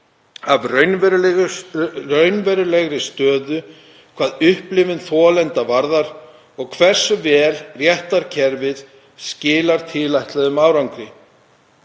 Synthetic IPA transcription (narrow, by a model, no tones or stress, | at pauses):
avrœɥnvɛɾlɣrœɥnvɛɾʏlɛɣɾɪst̪œːðʏ | kʰv̥aːðʏhplɪvʏnθɔːlɛnt̪avaɾðaɾ̥ | ɔɣkʰvɛr̥sʏvɛːlrjɛht̪aɾ̥cʰɛɾvɪð | scɪːlaɾ̥t̪ʰɪːlajht̪lɛðʏmaːwɾawŋkɾɪ